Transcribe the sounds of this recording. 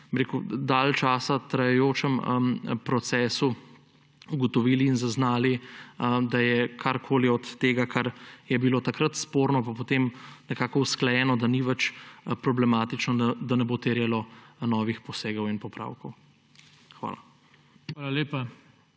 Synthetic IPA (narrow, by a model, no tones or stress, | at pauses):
biɾekud̪alt͡ʃaːsat̪ɾajɛjoːt͡ʃɛməpɾɔt̪sɛːsu | uɡɔt̪ɔʋiːliːnzaznaːli | d̪ajɛkʰaɾkʰoːliɔt̪ːeːɡakʰaɾjɛbiloːt̪akɾat̪spoːɾnɔpapot̪emnɛkaːkɔusklɛjɛːnɔd̪aniʋɛt͡ʃpɾɔblɛmaːt̪it͡ʃnɔd̪anɛbot̪eɾjɛlɔnɔːʋixpɔseːɡɔwinpɔpɾa̰ːwkɔw | xʋa̰ːla | alalepa